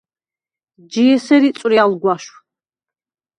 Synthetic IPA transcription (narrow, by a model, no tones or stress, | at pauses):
d͡ʒiɛsɛɾit̪sʼɾialɡwaʃw